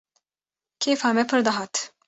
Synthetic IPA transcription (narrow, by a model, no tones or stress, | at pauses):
kʰeːfaːmɛpʰɨɾd̪ɐɦaːt̪